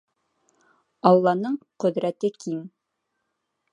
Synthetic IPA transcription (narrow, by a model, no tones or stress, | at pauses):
ɑlˠːɑnɤɴqɵ̆ðɾæt̪ɘkʰim